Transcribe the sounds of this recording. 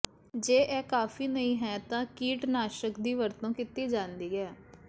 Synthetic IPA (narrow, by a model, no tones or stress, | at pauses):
d͡ʒeːʔɛːkaːfiːnəĩːɦɛːt̪ãːkiːʈnaːʃəkd̪iːʋəɾt̪õːkɪt̪iːd͡ʒãːnd̪iːɛː